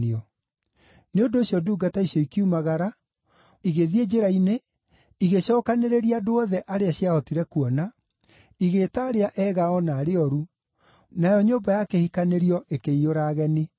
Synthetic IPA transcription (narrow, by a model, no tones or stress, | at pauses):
eɔ | neondoːsɕjɔduːɡataisjɔikiumaɣaɾa | iɣeðied͡ʒeɾaine | iɣeɕɔːkaneɾeɾiadoɔðɛʔaɾeaɕiaɔtiɾɛkuɔna | iɣetaɾeaʔɛɣaɔnaɾeɔɾu | najɔɲoːmbajakehikaneɾiɔʔekeioɾaːɣɛni